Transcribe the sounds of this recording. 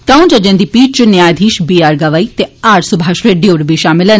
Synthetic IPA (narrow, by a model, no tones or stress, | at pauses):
t̪ãːũd͡ʒəd͡ʒẽːd̪iːpiːt͡ʃt͡ʃʊnjaːjd̪ʱiːʃbiːaːɾɡəʋaːiːt̪eːaːɾsʊbʱaːʃɾeːɖijoːɾbiːʃaːmɪlən